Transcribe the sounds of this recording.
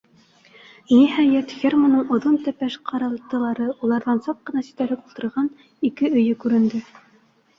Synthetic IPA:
nihæjæt̪χʲermonɤɴŏðont̪æpæʃqʰɑɾɑlˠt̪ɤ̆lˠɑɾɤulˠɑɾðɑnsɑq̚qːɤ̆nɑsɵ̥̆t̪æɾɘkulˠt̪ɤ̆ɾʁɑn | ikɘɵ̆jɵkʉɾɘ̆nd̪ɘ

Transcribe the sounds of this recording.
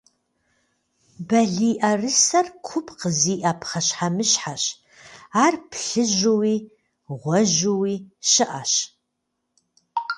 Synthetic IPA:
bɐɮiːʔɐrɨsɐrkʷʰʊpʰʼqəziːʔapχɐɕħamɨɕħaɕ | aːrpʰɬɨʒʊwiː | ʁʷɔʒuwiːʃɪʔa̰ɕ

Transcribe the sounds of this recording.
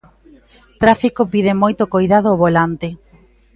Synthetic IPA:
t̪ɾafikopið̞emojt̪okojðaðoːβolant̪ɪ

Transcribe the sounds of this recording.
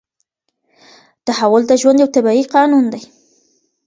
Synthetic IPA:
d̪̥əhawɑld̪əʒwand̪jawt̪abaiqɑnund̪aj

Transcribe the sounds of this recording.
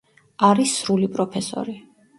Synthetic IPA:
aɾisɾulipʼɾɔpʰɛsɔ̰ɾi

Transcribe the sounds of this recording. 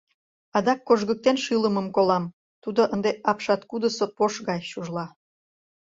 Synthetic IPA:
ɑd̪ɑkːoʒɣək̚t̪enʃɨləməmkolɑm | t̪ud̪oʔənd̪eɑpʃɑt̪kud̪əsopoʃɣɑjʃuʒlɑ

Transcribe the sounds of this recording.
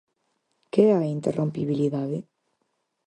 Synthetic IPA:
keaint̪erʔompiβiliðaðe

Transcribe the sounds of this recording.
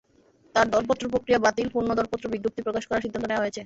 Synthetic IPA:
t̪aɾd̪ɔlpot̪ːɾopɾokɾijabat̪ilpuɾnod̪ɔlpot̪ːɾobiɡɾup̚t̪ipɾokaʃkɔɾaɾʃid̪ʱːant̪oneoaɦojet͡ɕʰe

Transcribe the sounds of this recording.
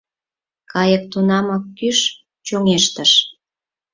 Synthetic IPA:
kɑjək̚t̪unɑmɑkːyʃ | t͡ɕoŋeʃt̪əʃ

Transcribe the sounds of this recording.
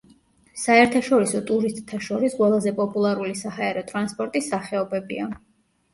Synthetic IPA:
saɛɾt̪ʰaʃɔɾisɔt̪ʼuɾist̪ʼt̪ʰːaʃɔɾisqʼwɛlˠazɛpʼɔpʼulˠaɾulisahaɛɾɔt̪ʼɾanspʼɔɾt̪ʼisaχɛɔbɛbḭa

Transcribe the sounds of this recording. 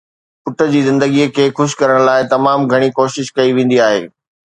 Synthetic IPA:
pʊʈʰə̆d͡ʑiːzɪ̃nd̪əɡikʰeːxʊʃ̬kɐɾəɽ̃laːɪt̪ɐmaːmɡʱɐɽ̃ikoːʃɪʃkɐiʋẽːn̆d̪iaːɦḛː

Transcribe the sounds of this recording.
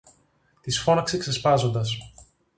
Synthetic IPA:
t̪isfo̞nɐksekse̞spɐzo̞nd̪ɐs̬

